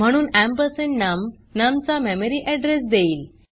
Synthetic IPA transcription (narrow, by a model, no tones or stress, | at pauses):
m̤əɽ̃uːnæmpəɾseɳnam | namt͡sameməɾiːʔɛɖɾesd̪eiːl